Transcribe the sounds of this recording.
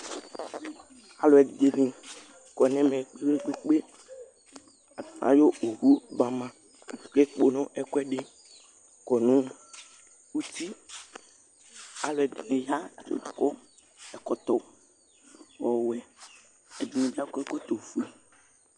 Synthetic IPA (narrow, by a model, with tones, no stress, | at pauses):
a̰˨lɔ˨ɛ˨d̪e˨nẽ˨ | kɔ˨nɛ̃˦mẽ˨k͡pe˦be˦k͡pe˦k͡pe˦ | a˨mã̰˨jo˦o˨hu˦ba˨mã˨ | ke˦k͡po˨nɔ̃˦ʔɛ˨kɔ˦ɛ˦ɖe˦ | kɔ˨nũ˦ | wu˦t̪i˦ | a˨lɔ˨ɛ˨dne˨ja˦˨to̰˨kɔ˦ | ɛ˨kɔ˨t̪ɔ˨ | wɔ˨wɛ˨ | ɛ˨d̪e˨nẽ˨bi˦a˦kɛ˦ko˦t̪o˨fu˨˦e˨